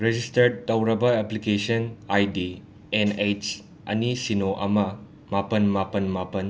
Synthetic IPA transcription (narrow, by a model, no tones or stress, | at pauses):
ɾed͡ʒistɐɾɖ̚tɐwɾɐbɐeplikesɐnajdi | enejt͡ʃ | ɐ̰nisinoʔɐ̰mɐ | mapɐnmapɐnmapɐn